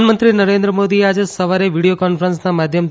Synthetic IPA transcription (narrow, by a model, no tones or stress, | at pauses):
nmənt̪ɾinəɾẽnd̪ɾəmod̪iad͡ʒesəʋaɾeʋiɽijokɔnfʰəɾənsnamad̪ʱjəm